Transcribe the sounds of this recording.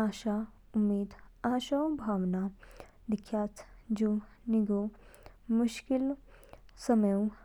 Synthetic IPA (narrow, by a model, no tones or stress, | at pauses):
aːʃa | ʊmːiːd̪aːʃãbʱaːʋna | d̪ɪkʰːjaːt̪d͡ʒuː | niɡo | mʊʃkɪl | sɐməjõ